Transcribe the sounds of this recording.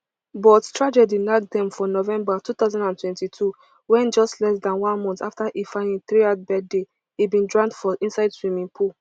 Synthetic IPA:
bɔttʰɹad͡ʒɛdinak̚dɛ̃mfɔnɔvɛ̃mbatut̪aʊzãndãntwɛ̃ntitʰu | wɛ̃nd͡ʒɔstlɛsdãnwãnmɔ̃ntaftaʔifãnĩθɹiat̚bɛd̚de | ibĩndɹãntfɔʔĩnsaɪdswĩmĩnpʰu

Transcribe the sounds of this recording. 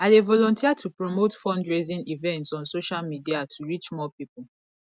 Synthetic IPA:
adevɔlɔ̃ntʰiatʰupɹɔmotfɔ̃ndɹezĩnivɛ̃ntsɔ̃nsoʃalmidiatʰuɹit͡ʃmɔpipul

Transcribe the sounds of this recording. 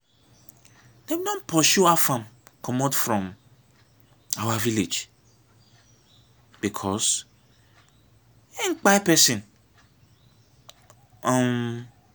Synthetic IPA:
d̥ewidɔ̃npʰɔʃuafãmkʰɔmɔtfɾɔ̃m | awaviled͡ʒ | b̥ikʰɔs | ɛ̃ŋk͡papɛsĩn | ɔm

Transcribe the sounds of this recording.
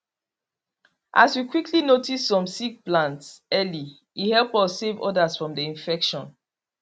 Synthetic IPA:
ʔa̰swikʰwikʰlinotisːɔ̃msik̚plãntsɛli | ihɛlpɔsevɔ̰dasfɹɔ̃mdiĩnfɛkʃɔ̃n

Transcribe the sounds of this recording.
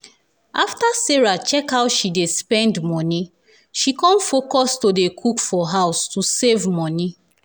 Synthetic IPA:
aftasɛɹat͡ʃɛkhawʃidespɛ̃ndmɔni | ʃikɔ̃nfokɔstodekʰukfɔɦaʊstusevmɔ̃ni

